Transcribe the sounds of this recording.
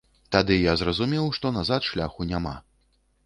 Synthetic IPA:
t̪ad̪ɨjazɾɐzumʲɛwʂt̪ɔnazat̪ʂlʲaxunʲama̰

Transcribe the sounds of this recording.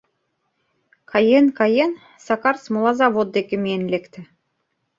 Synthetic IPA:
kʰɑjenkɑjen | sɑkɑrsmolˠɑzɑvod̪̚d̪ekɘ̆meenlekt̪ɘ̆

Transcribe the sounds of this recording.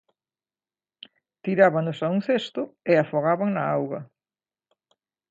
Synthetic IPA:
t̪iɾaβaŋʊsauŋθest̪ʊɪafoɣaβaŋnɐawɣɐ̰

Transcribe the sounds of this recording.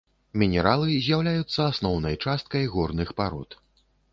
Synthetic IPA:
mʲinʲɛɾalˠɨzʲjawlʲajut̪sːɐasnɔwnɐjt͡ʂast̪̚kɐjɣɔrnɨxpaɾɔ̰t̪

